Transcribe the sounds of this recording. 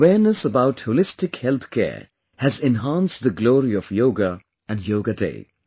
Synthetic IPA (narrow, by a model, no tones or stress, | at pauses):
əwɛːɾnəsəbaʊʈholɪstɪkhɛlt̪kʰɛ̰ː | hæzɛ̃nɦãːnstd̪əɡloːɾiɔfjoːɡə | æ̃njoːɡədḛɪ